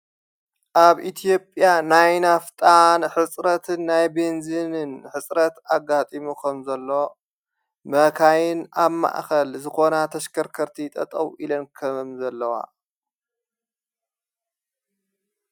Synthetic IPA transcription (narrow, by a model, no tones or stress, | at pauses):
ʔaβʔit̪ʰijo̞pʼjanajnaft̪ʼanħɨt͡sʼɾɐt̪ʰɨnːajbenzɨnɨnħɨt͡sʼɾɐt̪aɡat̪ʼimukʰɐmzɐlːo̞ | mɐkʰajɪnaβma̰ʔxɐlzɨxo̞nat̪ʰɐʃkʰɐɾkʰɐɾt̪ʰit̪ʼɐ̰t̪ʼɐwʔilɐnkʰɐmzɐlːɐwa̰